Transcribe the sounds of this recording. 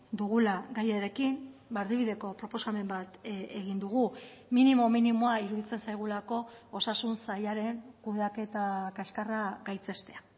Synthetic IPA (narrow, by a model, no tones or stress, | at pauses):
d̪uɣ̞ulaɣɡajeɾe̞kimbaɾðiβ̞iðe̞ko̞pɾo̞po̞same̞mbat̪eɣind̪uɣuminimo̞minimoaiɾuðit͡se̞nsajɣulako̞osasunsajaɾe̞ŋkuðake̞t̪akaskaraɡajt͡se̞st̪e̞a